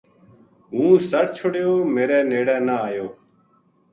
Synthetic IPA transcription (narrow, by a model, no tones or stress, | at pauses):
ɦũːsəʈt͡ʃʰʊɽjoːmeːɾeːneːɽɛ̃ːnəaːjoː